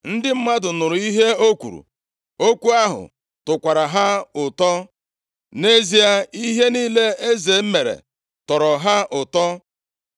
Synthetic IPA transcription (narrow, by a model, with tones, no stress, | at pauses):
n̩˦dɪ˦m̩˦ma˦dʊ˨nʊ˨ɾʊ˨i˦ɦe˦o˦kʷṵ˨ɾṵ˨ | o˦kʷu˦a˦ɦʊ̰˨ | tʊ˨kʷa˨ɾa˨ɦa˦ʊ˨tɔ˦ | ne˦zi˦a˦i˦ɦe˦niː˦le˦e˦ze˨˦m̩˦me˨ɾḛ˨ | tɔ˨ɾɔ˨ɦa˦ʔʊ˨tɔ˦